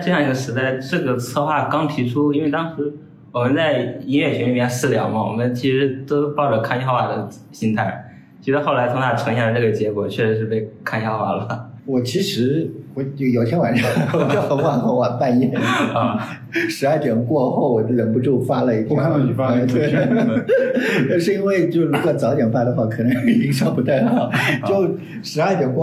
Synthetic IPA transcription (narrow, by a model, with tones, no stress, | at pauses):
ʈ͡ʂɤ˥˩˧jɑ˥˩ŋi˧˥ɡə˧ʂɻ̩˧˥t̪a˥˩ɪʈ͡ʂɤ˥˩ɡə˩t͡sʰɤ˥˧xwa˥˩kɑ˥ŋt̪ʰi˧˥ʈ͡ʂʰu˥i˥nwe˥˩ɪt̪ɑ˥ŋʂɻ̩˧˥ | wɔ˨˩mə˦nt͡sa˥˩ɪi˥nɥɛ˥˩ɕʰɛ˧˥ni˥˩jɛ˥˩nsɹ̩˥˩ljɑ̰˨˩ʊmə˦wɔ̰˨˩mə˧˦nt͡ɕʰi˧˥ʂɻ̩˧˥t̪o˥ʊpɑ˥˩ʊʈ͡ʂə˩kʰa˥˧n˧jɑ˥˧˥wa˨˩d̪ə˦ | ɕi˥nt̪ʰa˥˩ɪ | t͡ɕʰi˧˥ʂɻ̩˧˥xo˥˩ʊla˧˥ɪʊ˥ŋt̪ʰa˥˩ʈ͡ʂʰɤ˧˥ŋɕjɛ˥˩ə˧nʈ͡ʂɤ˥˩ɡə˩t͡ɕjɛ˧˥kwɔ˨˩t͡ɕʰɥɛ˥˩ʂɻ̩˧˥ʂɻ̩˥˧pe˥˧ɪkʰa˥˩njɑ˥ʊxwa̰˥˩lə˩wɔ˨˩t͡ɕʰi˧˥ʂɻ̩˧˥ɛ˧˥t͡ɕjo˥˩jo˨˩ʊt̪ʰjɛ˥wa˨˩nʈ͡ʂɑ˥˩˥jɑ˥˧˥fa˥˧nxɑ˥˩wa˨˩pa˥˧njɛ˥˩n˧ | ʂɻ̩˧˥ɐ˞˥˩t̪jɛ˨˩nkwɔ˥˧xo˥˩ʊwɔ˨˩˧ɻə˨˩npu˧ʈ͡ʂu˥˩fa˥lə˧i˥˩t̪ɛ˧˥˩t̪we˥˩˧ | t̪a˥˧ʂɻ̩˥˧i˥nwe˥˧ɪt͡ɕjo˥˧ʊɻu˧˥kwɔ˨˩t͡sɑ˧˥ʊt̪jɛ˨˩nfa˥˩d̪ə˧xwa˥˩kʰɤ˨˩ə˧˥ŋ˥i˨˩t͡ɕi˥ŋʂɑ˥pu˧˥t̪a˥˩ɪd̪ə˩xɑ˥˩jo˥˩ʊ | ʂɻ̩˧˥ɐ˞˥˩t̪jŋkwɔ˥˩